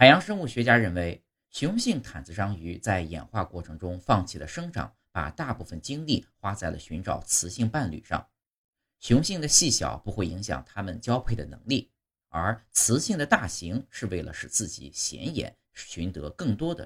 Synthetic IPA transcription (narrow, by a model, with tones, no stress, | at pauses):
xa˨˩ɪjɑ˧˥ŋʂɤ˥ŋu˥˩ɕɥɛ˧˥t͡ɕja˥ɻə˥˩nwe˧˥ɪ | ɕjʊ˧˥ŋɕi˥˩ŋt̪ʰa˨˩nt͡sɹ̩˥˧ʂɑ˥ŋy˧˥t͡sa˥˩ɪjɛ̰˨˩nxwa˥˧kwɔ˥˩ʈ͡ʂʰɤ˧˥ŋʈ͡ʂʊ˥ŋfɑ˥˧ŋt͡ɕʰi˥˩d̪ə̰˩ʂɤ˥ŋʈ͡ʂɑ̰˨˩˦ŋ | pa̰˨˩t̪a˥˧pu˥˩fə˩nt͡ɕi˥ŋli˥˩xwa˥t͡sa˥˩ɪlə̰˩ɕy˧˥nʈ͡ʂɑ˨˩ʊt͡sʰɹ̩˧˥ɕi˥˧ŋpa˥˩nly̰˨˩ʂɑ̰˥˩ŋ | ɕjʊ˧˥ŋɕi˥˩ŋd̪ə˩ɕi˥˩ɕjɑ̰˨˩ʊpu˧˥xwe˥˩ɪi˧˥ŋɕjɑ̰˨˩ŋt̪ʰa˥mə˨nt͡ɕjɑ˥ʊpʰe˥˩ɪd̪ə̰˩nɤ̰˧˥ŋli˥˩ | ə˞˧˥t͡sʰɹ̩˧˥ɕi˥˩ŋd̪ə˩t̪a˥˩ɕi˧˥ŋʂɻ̩˥˧we˥˩ɪlə̰˩ʂɻ̩˨˩t͡sɹ̩˥˩t͡ɕḭ˨˩ɕjɛ̰˧˥njɛ̰˨˩˦n˩ | ɕy˧˥nt̪ɤ˧˥kɤ˥˩ŋt̪wɔ˥d̪ə̰˩